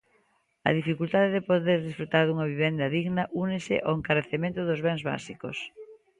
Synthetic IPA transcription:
ɐ̰ðifikult̪aðeðɪpoðeɾðisfɾut̪aɾðuŋɐβiβend̪ɐðiɣnɐʔunɪsɪ̰ʔoeŋkaɾeθemẽnt̪ʊðʊzβɛŋzβa̰siko̰s

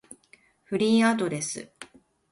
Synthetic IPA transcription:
ɸɯ̟ɾʲiːad̪o̞d̪e̞sɨ̰

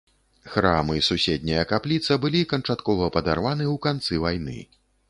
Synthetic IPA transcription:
xɾamɨsusʲɛd̪̚ʲnʲɐjɐkaplʲit̪sɐbɨlʲikɐnt͡ʂat̪kɔvɐpɐd̪arvanɨwkant̪sɨvajnɨ̰

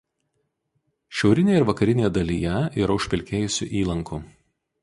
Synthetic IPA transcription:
ʃʲɛʊɾʲɪnʲeːɛɪɾʋɐkɐɾʲɪnʲeːjɛd̪ɐlʲiːjɛiɾɐʊʃʲpʲɪlʲkʲeːjʊsʲʊ̰ʔiːlˠɐŋku

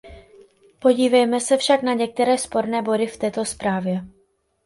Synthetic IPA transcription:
poɟiːvɛjmɛsɛfʃaknaɲɛk̚t̪ɛɾɛːspo̞ɾnɛːbo̞dɪft̪ɛːt̪o̞spɾaːvjɛ

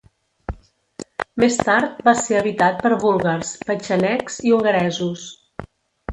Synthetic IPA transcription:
mest̪aɾt̪̚baseəβit̪at̪̚pəɾβulˠɣaɾspət͡ʃənɛkz̥iuŋɡəɾɛzus

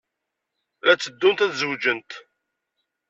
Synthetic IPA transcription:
læt͡sːəd̪ːunt̪æθzəwd͡ʒənt̪

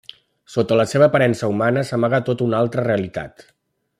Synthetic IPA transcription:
sot̪ələseβəːpəɾɛnsəumanəsəmaɣət̪ot̪unalˠt̪ɾəreəlit̪a̰t̪

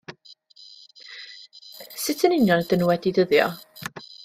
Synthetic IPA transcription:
sɪtʰənɪnjɔnd̥ənuwɛdidəðjɔ̰

